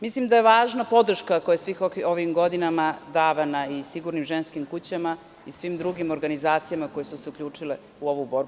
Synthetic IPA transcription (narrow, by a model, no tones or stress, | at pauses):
mislimd̪aje̞ʋaːʒnapo̞d̪r̩ʃkako̞jasʋixooʋimɡo̞d̪inamad̪aːʋanaisiɡuɾnimʒenskimkut͡ɕama | isʋimd̪ɾuɡimo̞ɾɡanizaːt̪sijamako̞jesuseukʲʎʲuːt͡ʂile | uo̞ʋubo̞ɾbu